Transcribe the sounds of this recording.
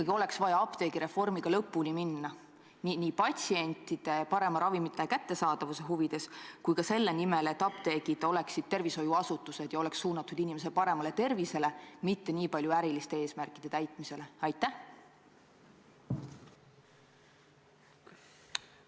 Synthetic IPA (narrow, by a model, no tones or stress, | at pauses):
ɑɡio̞le̞ksvɑjɑɑpt̪e̞ɡ̥iɾe̞fo̞rmiɡ̥ɑlɤ̞pːulʲiminːɑ | niniːpɑtsie̞nʲt̪ːˑid̪̥e̞pɑɾe̞mɑɾɑvimit̪ːˑekæt̪ːe̞sɑːd̪̥ɑvuse̞ɦuvid̪̥e̞skujkɑse̞lːe̞nimele̞t̪ːˑɑpt̪e̞ːɡid̪̥o̞le̞ksid̪̥̚t̪e̞rviso̞juɑsut̪ːˑuse̞d̪̥jɑo̞le̞ksːuːnɑt̪ːˑud̪̥inimes̬e̞lpɑɾe̞mɑle̞t̪e̞rvise̞le̞mit̪ːe̞niːpɑlʲjuæɾilist̪e̞e̞ːsmærkːˑid̪̥e̞t̪æjt̪ˑmise̞le̞ɑjt̪ːˑæh